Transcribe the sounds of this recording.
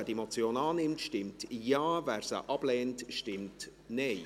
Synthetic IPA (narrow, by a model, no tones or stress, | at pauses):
demot͡sjoːnɑːnɪmtʃtɪmtjaːvæːɾsə̰ʔɑb̥lɛːntʃtɪmt | neɪ